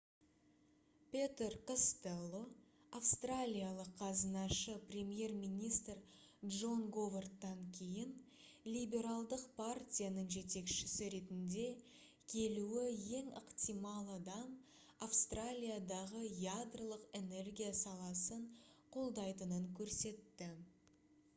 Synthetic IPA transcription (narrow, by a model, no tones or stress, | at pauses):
pʲet̪erkəst̪elˠo | afst̪ralʲijalˠəqʰːɑzənɑʃəprʲe̞mje̞rmijnʲijst̪r | dʒo̞ŋɡo̞vort̪ːɑŋkʲʰe̞jɪn | lʲijbʲe̞ɾalˠd̪əqpʰartʲijanəɴʒe̞t̪e̞kʃɪsɪɾe̞t̪ɪnd̪e̞ | kʲʰe̞luɪje̞ŋəqt̪ijmɑlˠad̪ɑm | afst̪ralʲijad̪ɑʁəjad̪rəlˠəqe̞ne̞rɡʲijasɑlˠɑsəɴqʰo̞lˠd̪ɑjt̪ənəŋkʲʰɵɾse̞t̪ːɪ